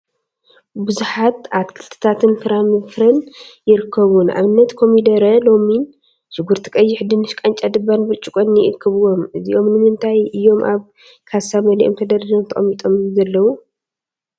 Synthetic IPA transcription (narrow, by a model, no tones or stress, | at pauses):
bɨzuħat̪at̪kʰɨlt̪ʰɐ̥t̪ʰat̪ʰɨnfɨɾamɨfɾɐnjɪɾɨkʰːɐβunʔa̰βɨnːɐt̪kʰo̞mid̪ɐɾɐlo̞min | ʃɪɡuɾt̪ʰi̥kʼɐjːɪħd̪ɨnɨʃkʼant͡ʃʼad̪ɨbːanbɨt͡ʃʼukʼɐnɪʔɨkʰːɐβɨwo̞mɨziʔo̞mnɨmɨnt̪ʰajʔɨjːo̞mʔaβ | kʰasamɐliʔomt̪ʰɐd̪ɐɾɐlomt̪ʰɐ̰ɐmːit̪ʼo̞mzɐlːɐwu